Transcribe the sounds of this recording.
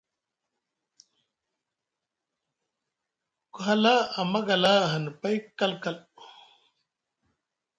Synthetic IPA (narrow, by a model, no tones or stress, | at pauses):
kuɦɐlaɐmɐɡɐlaɦɐnpɐjkːɐlkɐl